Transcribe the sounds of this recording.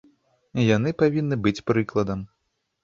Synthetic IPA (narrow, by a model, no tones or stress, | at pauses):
janɨpavʲinːɨbɨt͡sʲpɾɨklˠɐd̪ɐm